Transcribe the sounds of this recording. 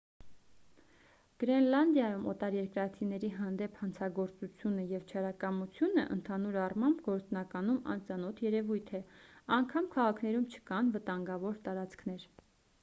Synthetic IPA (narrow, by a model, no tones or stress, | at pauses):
ɡ̥ɾɛnlɑnd̪jɑjumɔt̪ɑɾjɛɾkɾɑt͡sʰinɛɾiɦɑnd̪ɛpʰhɑnt͡sʰɑɡɔɾt͡sut͡sʰjunəjɛvt͡ʃʰɑɾɑkɑmut͡sʰjunəʔə̰nt̪ʰɑnuɾɑrmɑmbɡɔɾt͡snɑkɑnumɑ̰nt͡sɑn̪ɔt̪ʰjɛɾɛvujt̪ʰɛɑŋkʰɑmkʰɑʁɑkʰnɛɾumt͡ʃʰə̥kɑnvət̪ɑŋɡɑvɔɾt̪ɑɾɑt͡skʰn̪ɛɾ